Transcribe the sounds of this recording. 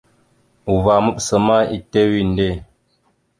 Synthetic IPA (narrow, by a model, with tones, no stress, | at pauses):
u˨va˨mə˦psə˨ma˦˨ḭ˨te˦wi˦˨n˦de˦˨